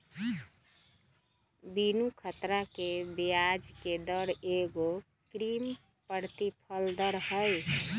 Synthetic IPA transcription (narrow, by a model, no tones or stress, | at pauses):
binukʰət̪ɾakebijad͡ʒked̪əɾeɡo | kɾim | pəɾt̪ipʰəld̪əɾɦəj